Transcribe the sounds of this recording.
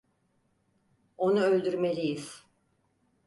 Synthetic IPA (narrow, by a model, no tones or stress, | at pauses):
o̞nuø̞lʲd̪yɾme̞lʲijiz̥